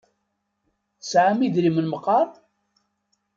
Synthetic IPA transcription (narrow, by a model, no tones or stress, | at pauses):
θsʕamiðɾimənməqːɑɾˤ